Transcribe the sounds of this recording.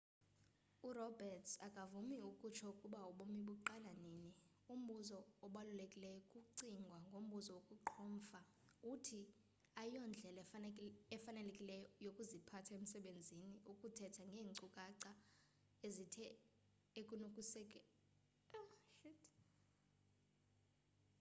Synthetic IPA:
urɔbɛrtʰakʼavumiukʼut͡ʃʰɔukʼuɓauɓomiɓuǃalanini | um̩ɓuzɔːɓalulekʼilɛjɔkʼuǀiŋɡʱwaŋɡʱom̩ɓuzɔwokʼuǃʰoːm̩fa | utʰi | aijɔnd͡ɮʱɛl | ɛfanɛlekʼilɛjɔjokʼuzipʰatʰaem̩sɛɓend͡zʱiniʔukʼutʰɛtʰaŋɡʱeːŋǀukʼaǀa | ezitʰɛ | ekʼunokʼusɛkʼɛ | ʃit

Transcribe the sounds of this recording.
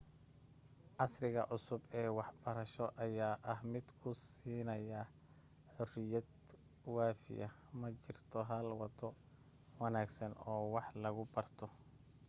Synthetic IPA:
ʕɑsrɪɣɐʕʊsʊbɛːwɑħbɐɾɐʃɔʔɐjaːʔɐɦmɪd̪̥kʰʊsiːnɐjɐ | ħʊrɪjɐd̪ | waːfɪ̰jɐ | mɐt͡ʃɪrt̪ʰɔɦɐlwɐt̪ʰɔ | wɐnaːɡsɐnɔːwɑħlɐɣʊbɐrt̪ʰɔ

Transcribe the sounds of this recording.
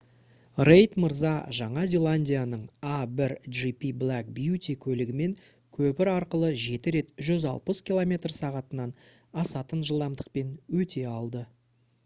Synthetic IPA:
rejt̪məɾzɑʒɑɴɑzʲe̞lˠanʲdʲijanəɴabɪɾʒipiblˠæk̚bjut̪ʲikʲʰɵlɪɡʲɪme̞ŋ | kʲʰɵpɪɾɑɾqəlˠəʒe̞t̪ɪɾe̞t̪ʒʏzɑ̰lˠpəskʲilˠo̞mʲe̞t̪rsɑʁɑt̪ənɑn | ɑsɑt̪ənʒəlˠd̪ɑmd̪əq̚pe̞nwɵt̪e̞ɑlˠd̪ə

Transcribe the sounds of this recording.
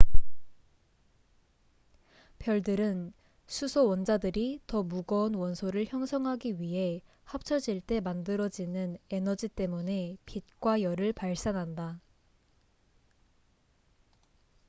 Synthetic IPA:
pjʌɭdɯɾɯn | sʰusʰowʌnd͡ʑadɯɾitʌmuɡʌunwʌnsʰoɾɯɭçjʌŋsʰʌŋɦaɡiɥiɦe̞ | hap̚t͡ɕʰʌd͡ʑiɭt͈e̞mandɯɾʌd͡ʑinɯne̞nʌd͡ʑit͈e̞mune̞pit̚k͈wajʌɾɯɭpaɭs͈anɦanda

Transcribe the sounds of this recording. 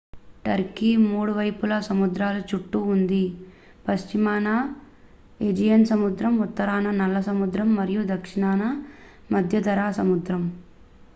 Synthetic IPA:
ʈɐɾkimuːɽuʋɐjpulɐsɐmud̪ɾaːlut͡ʃuʈːuːnd̪i | pɐst͡ʃimaːna | ed͡ʒijɐnsɐmud̪ɾɐmut̪ːɐɾaːnɐnɐlːɐsɐmud̪ɾɐmːɐɾijud̪ɐkʂiɳaːnɐ | mɐd̪ʱjɐd̪ɐɾaːsɐmud̪ɾɐm

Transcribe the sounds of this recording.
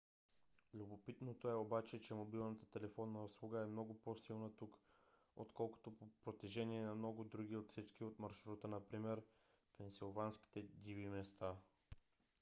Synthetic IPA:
lʲubopit̪not̪oɛobat͡ʃɛt͡ʃɛmobilˠnət̪ə̥t̪ɛlɛfɔnːɐoslˠuɡəɛmnɔɡʊposilˠnət̪uk | ot̪kɔlˠko̥t̪opopɾot̪ɛʒɛniɛnɐmnɔɡʊd̪ɾuɡ̟iot̪fsit͡ʃkiot̪mɐɾʃɾut̪ənɐpɾimɛɾ | pɛnsilˠvanski̥t̪ɛd̪ivimɛst̪a

